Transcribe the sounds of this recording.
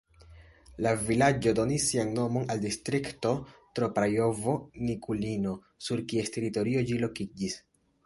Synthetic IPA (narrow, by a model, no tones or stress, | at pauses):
lavilad͡ʒo̞do̞nisːianːo̞mo̞naldistɾikto̞tɾo̞pɾajo̞vo̞nikulino̞ | suɾkie̞ste̞ɾito̞ɾio̞d͡ʒilo̞kid͡ʒis